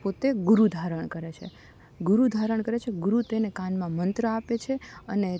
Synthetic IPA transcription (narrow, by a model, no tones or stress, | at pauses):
pot̪eɡuɾud̪ʱaɾəɳkəɾet͡ʃʰḛ | ɡuɾud̪ʱaɾəɳkəɾet͡ʃʰeɡuɾut̪enekãnmãmənt̪ɾəapet͡ʃʰeəne